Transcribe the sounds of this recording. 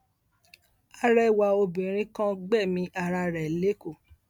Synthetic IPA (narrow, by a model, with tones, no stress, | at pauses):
a˦ɾɛ˦wa˨o˧bĩ˨ɾ̃ĩ˦kã˦ɡ͡bɛ˦˨mĩ˨˧˦ʔa˧ɾa˧ɾɛ˨le˨˦ko˦˨